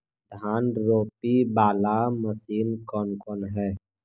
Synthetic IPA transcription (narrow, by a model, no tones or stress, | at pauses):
d̪ʱaːnɾoːpibaːlaməsiːnkɔːnkɔːnɦɛː